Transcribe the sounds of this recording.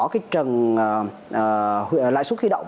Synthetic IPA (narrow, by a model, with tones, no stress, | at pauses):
ɔ˨˦kaː˨˦jt͡ɕə˨˩nː˨˩˨ | hla̰ː˧˨jsu˦˥t̚wi˧ɗə̰˧˨wŋ͡m